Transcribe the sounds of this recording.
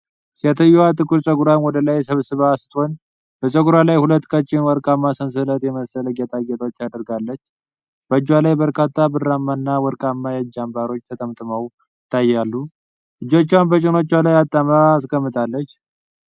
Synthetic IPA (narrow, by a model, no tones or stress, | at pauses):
sat̪ʰəjːwat̪ʼɨkʼuɾsʼəɡuɾamwɔd̪əlajɛsəβsɨβaːst̪ʰʼho̞n | b̥əsʼəɡuɾalajhulət̪ːkʼət͡ʃʼːɪnwɔɾkʼamːasəns̬ɨlət̪jɛməsələɡat̪ʼaɡɛt̪ʼo̞t͡ʃːad̪əɾɡalːət͡ʃː | b̥əɨd͡ʒːwalajbəɾkʰʼat̪ʰːabɨramːanːawɔɾkʼamːajad͡ʒambaɾo̞t͡ʃːt̪ʰət̪ʰəmt̪ʼɨməw | jɪt̪ʰːajalːu | ʔɨd͡ʒːo̞t͡ʃːwanbət͡ʃʼɪno̞t͡ʃːwalajat̪ʼːamaːs̬kəmːɨt̪ʼalːət͡ʃː